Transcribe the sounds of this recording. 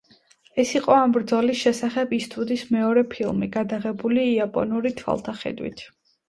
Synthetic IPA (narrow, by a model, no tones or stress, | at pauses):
ɛsiqʼɔambɾd̪zɔlisʃɛsaχɛbist̪ʰʼud̪ismɛɔɾɛpʰilˠmiɡad̪aʁɛbuliːapʼɔ̰nuɾit̪ʰwa̰lˠt̪ʰaχɛ̰d̪wḭt̪ʰ